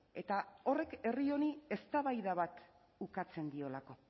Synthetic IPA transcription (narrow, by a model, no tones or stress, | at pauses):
e̞t̪ao̞re̞ke̞rio̞nie̞st̪aβajðaβat̪ | ukat͡se̞nd̪io̞lako̞